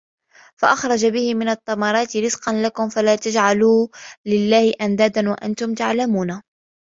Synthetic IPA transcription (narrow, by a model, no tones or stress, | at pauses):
faʔɑxɾˤɑd͡ʒabɪhɪmɪnɑt̪ˤːɑmɑɾˤɑːt̪ɪɾɪzqɑnlakʊmfalaːt̪ad͡ʒʕaluːlɪlːaːhɪʔand̪aːd̪anwaʔa̰nt̪ʊmt̪aʕlamuːna